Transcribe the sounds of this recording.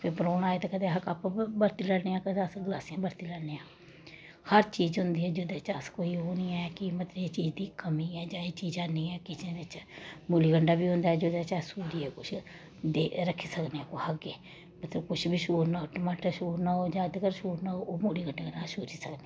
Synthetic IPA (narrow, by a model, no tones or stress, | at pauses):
pʰɪɾpəɾoːnaːeːt̪eːkəd̪eːɦəkapbəɾt̪iːlɛːneːjãːkəd̪eəsɡəlaːsijãːbəɾt̪iːlɛːneːãː | həɾt͡ʃiːd͡ʒɦʊnd̪iːɛːd͡ʒod̪eːt͡ʃaːskoːiːɦoːniːɛːkɪmət̪ləeːt͡ʃiːd͡ʒd̪iːkəmiːɛːd͡ʒãːeːt͡ʃiːd͡ʒãːniːɛːkɪsẽːdɪt͡ʃmoːliːɡəɳɖaːbiːɦʊ̃nd̪aːɛːd͡ʒoːd̪eːt͡ʃaːsuːɾiːɛːkʊt͡ʃʰ | d̪eːɾəkʰːiːsəkneːɛːkohəɡeː | mət̪ləbkʊt͡ʃʰbʱiːʃuːɾnaːoːʈəmaːʈəɾʃuːɾnaːoːd͡ʒãːd̪kəɾʃuːɾnaːoːʔoːmoːliːɡəɳɖeːkənaːsuːɾiːsəkneː